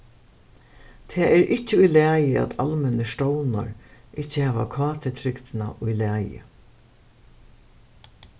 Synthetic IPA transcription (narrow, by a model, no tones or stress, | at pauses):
t̪ʰɛːɛɾʔɪt͡ɕːəʊjlæːjəa̰t̪ʰalmɛnəʃtɔwna̰ɹʔɪt͡ɕːəhɛːʋakʰɑːt̪ʰɪt̪ʰɾɪkt̪ɪna̰ʔʊjlæːjə̰